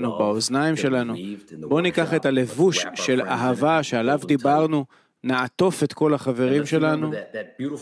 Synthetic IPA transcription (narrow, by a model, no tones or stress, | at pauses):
nubaoznaimʃe̞lanubo̞nikaχet̪ale̞vuʃːe̞la̰ɦavaʃealavd̪ibaʁnu | naat̪o̞fet̪ko̞laχave̞ʁimʃe̞lanu